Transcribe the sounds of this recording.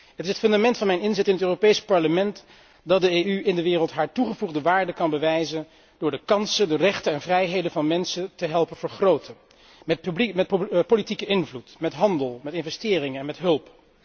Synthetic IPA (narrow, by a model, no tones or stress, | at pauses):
ɦətɪsətfɵndamɛntfɑnmɛjnɪnzɛtɪnɦətøːropejspɑɹləmɛnt | dɑt̚dəejyʔɪndəʋɪːrəlˠtɦaːɹtuχəvuχdəʋaːɹdəkɑnbəʋɛjzən | d̥ʊːɹdəkɑnsədərɛχtəɛnvrɛjɦejdəvɑnmɛnsəntəɦɛlˠpənv̥əɹχrowtʰə | mɛt̚politikəʔɪnvlutmɛtɦɑndəlˠmɛtɪnvɛstɪːrɪŋənɛnmɛtɦɵlˠp